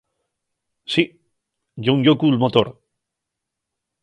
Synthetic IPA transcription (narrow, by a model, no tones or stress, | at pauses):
si | ʝoŋjokulmot̪oɾ